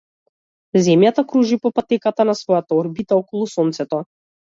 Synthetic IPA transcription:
zɛmjat̪akɾuʒipɔpat̪ɛkat̪anasvɔjat̪aɔɾbit̪aɔkɔlˠusɔnt̪sɛt̪ɔ

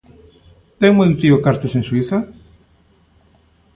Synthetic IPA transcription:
t̪eŋmoj̃nt̪iʊkaɾt̪esẽŋswiθɐ

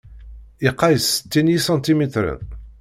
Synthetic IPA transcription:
iqːɑjəsə̥t̪ːinisɑ̃nt̪imit̪ɾə̰n

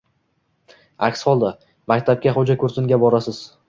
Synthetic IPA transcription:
akʲshɒlˠd̪a | makʲt̪ʰap̚kʲaχod͡ʒakʲʰɵɾsɪŋɡʲabɒɾasɪz̥

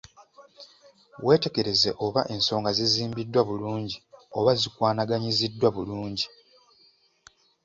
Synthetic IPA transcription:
we̞ːte̞ke̞ɾe̞ze̞ʔo̞βaʔe̞ːnso̞ːŋɡaziziːmbidːwaβuluːɲɟio̞βazikwaːnaɡaɲizidːwaβuluːɲɟi

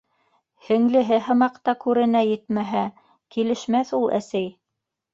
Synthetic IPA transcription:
hɘ̆ŋlɘ̆ɦɘɦɤ̆mɑqt̪ɑkʉɾɘ̆næjɘt̪mæɦæ | kilɘ̆ʃmæθulˠʔæ̰sæj

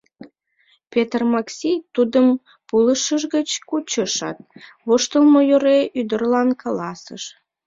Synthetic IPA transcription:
pet̪rmɑksʲit̪ud̪əm | puləʃəʒɣət͡ɕkut͡ɕəʃɑ̰t̪̚ | βoʃt̪əlmojoɾeʔyd̪ərlɑnkɑlɑsəʃ

